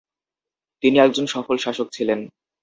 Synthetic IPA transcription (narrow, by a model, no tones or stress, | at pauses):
t̪iniɛɡ̚d͡ʑonʃɔfolʃaʃok̚t͡ɕʰilen